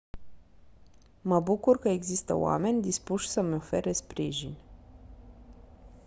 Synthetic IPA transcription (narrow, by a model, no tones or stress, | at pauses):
məbukurkəe̞ɡzist̪ə̰o̰a̰me̞nʲd̪ispuʃʲsəmeo̞fe̞ɾe̞spɾiʒinʲ